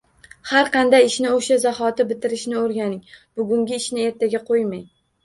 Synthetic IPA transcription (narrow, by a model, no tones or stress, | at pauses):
haɾqʰɑnd̪ajɪʃnɪoʃazahɒt̪ɪbɪt̪ʰɪɾɪʃnɪoɾɡʲanɪŋbʊɡʲʊŋɡʲɪɪʃnɪe̞ɾt̪ʰaɡʲaqʰojmaj